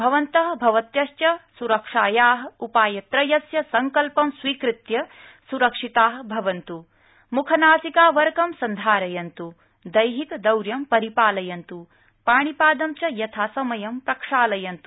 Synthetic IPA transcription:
bʱɐʋɐnt̪ɐɦɐbʱɐʋɐt̪jɐʃt͡ʃɐsuɾɐkʂaːjaːɦɐ̆upaːjɐt̪ɾɐjɐsjɐsɐŋkɐlpɐmsʋiːkɾɪt̪jɐsuɾɐkʂit̪aːɦɐbʱɐʋɐnt̪u | mukʰɐnaːsikaːʋɐɾkɐmsɐnd̪ʱaːɾɐjɐnt̪u | d̪ɐjɦikɐd̪ɐwɾjɐmpɐɾipaːlɐjɐnt̪u | paːɳ̃ipaːd̪ɐmt͡ʃɐjɐt̪ʰaːsɐmɐjɐmpɾɐkʂaːlɐjɐnt̪u

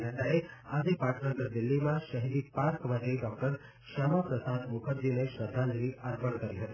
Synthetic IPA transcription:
nataɾead͡ʒepaʈʰnəɡəɾd̪ɪlːimãʃəɦid̪ipaɾkmãt̪eɖɔk̚ʈəɾ | ʃamapɾəsad̪mʊkʰəɾd͡ʒineʃəd̪ʱːãnd̪ɾiʔəɾpəɳkəɾiɦət̪i

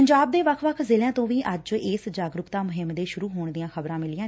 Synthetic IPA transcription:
əɲd͡ʒaːb̚d̪eːʋəkʰʋəkʰzɪːljãːt̪õːʋiːʔəd͡ʒɪːsd͡ʒaːɡɾʊkt̪ãːmʊɦɪmd̪eːʃʊɾuːɦoːɳd̪ɪijãːkʰəbɾãːmɪlɪjãː

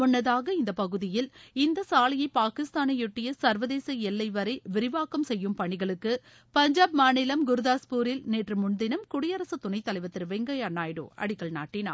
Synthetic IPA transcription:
ɔnːɐðaːɣɐɪnd̪ɐpɐɣɯðɪjɪlɪnd̪ɐsaːlɐjɐɪpaːkɪst̪aːnɐjɔʈːɪjɐsɐɾʋɐðeːsɐɛlːɐɪʋɐɾɐɪʋɪɾɪʋaːkɐmsɛjːɯmpɐɳɪɣɐɭɯkːɯ | pɐɲd͡ʒaːb̚maːnɪlɐmɡʊɾɯðaːspuːɾɪlneːʈrɯmʊɳd̪ɪnɐmkʊɽɪjɐɾɐsɯt̪ʊnɐɪt̪ːɐlɐɪʋɐt̪ːɪɾʋɛŋɡɐjɐnːaːjɽo̰ːʔɐ̰ɽɪɣɐɭna̰ːʈːɪna̰ː

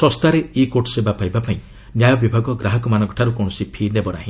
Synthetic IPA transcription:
sɔ̃st̪aɾeikoʈsebapajbapaĩ | njajɔbibʱaɡɔɡɾaɦɔkɔmanɔŋkɔ̥ʈʰaɾukɔɽ̃ɔsipʰinebɔnaɦĩ

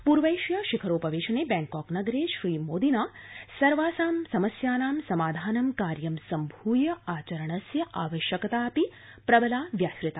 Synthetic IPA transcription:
puɾʋɐjʃjɐʃikʰɐɾoːpɐʋeːʃɐneːbɛːŋkɔːknɐɡɐɾeːʃɾiːmoːd̪inaːsɐɾʋaːsaːmsɐmɐsjaːnaːmsɐmaːd̪ʱaːnɐmkaːɾjɐmsɐmbʱuːjɐaːt͡ʃɐɾɐɳɐsjɐʔaːʋɐʃjɐkɐt̪aːpi | pɾɐbɐlaːʋjaːsɾɪt̪a

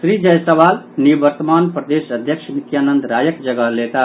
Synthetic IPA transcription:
sɾid͡ʒəjsəʋal | nibəɾt̪əmanpɾəd̪esəd̪ʱjəkʃmit̪janənd̪ɾajəkd͡ʒəɡəlet̪a

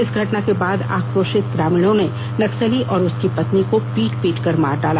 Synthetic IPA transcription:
ɪsɡʱɐʈnakebaːd̪a̰ːkɾoːʃɪt̪̚ɡɾaːmljõne | nɐksəliʔɔːɾʊskipɐt̪nikopiːʈpiːʈkɐɾma̰ːɾɖaːla

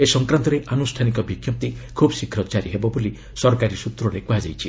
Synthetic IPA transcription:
esɔŋkɾant̪ɔɾeʔanusʈʰanikɔbʱikʰjɔp̚t̪ikʰubsikʰɾɔt͡ʃaɾiɦebɔboli | sɔɾkaɾisut̪ɾɔɾekuɦad͡ʒajt͡ʃʰi

